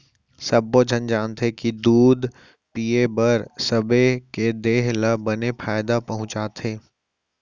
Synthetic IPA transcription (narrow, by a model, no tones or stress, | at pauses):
sɐbːod͡ʒʱənd͡ʒaːnt̪ekid̪uːd̪ | piebəɾsəbeked̪eːɦləbənepʰaːjd̪apɐɦʊ̃t͡ʃaːt̪ɦeː